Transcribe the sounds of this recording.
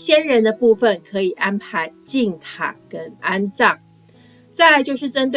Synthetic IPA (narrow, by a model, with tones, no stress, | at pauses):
ɕjɛ˥nɻə˧˥nd̪ə˧pu˥˩fə˨˩nkʰɤ˧˦˥i˨˩ʔa˦npʰa˧˥ɪt͡ɕi˥˩ŋt̪ʰa̰˨˩kə˦na˥nʈ͡ʂɑ˥˩ŋ | t͡sa˥˩ɪla˧˥ɪt͡ɕjo˥˧ʊʂ̬ɻ̩˥˩ʈ͡ʂə˥nt̪̬we˥